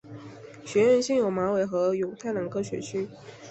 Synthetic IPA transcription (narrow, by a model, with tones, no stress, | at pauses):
ɕɥɛ˧˥ɻə˥˧nɕi˥˩ŋjo˨˩ʊma˧˥we˨˩ɪxɤ˧˥jo˨˩ʊt̪ʰa˥˩ɪlə˨˥nkʰɤ˥˩ɕɥɛ̰˧˥t͡ɕʰy˥